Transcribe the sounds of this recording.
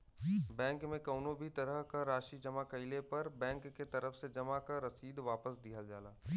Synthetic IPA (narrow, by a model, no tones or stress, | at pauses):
bɛ̃ːŋkmẽkɐʊnobʱit̪ɐɾəɦkaɾaːʃid͡ʒɐmakɐɪlepɐɾbɛ̃ːŋkːet̪ɐɾəfsed͡ʒɐmakaɾɐsiːd̪ʋaːpəsd̪iɦəld͡ʒaːlaː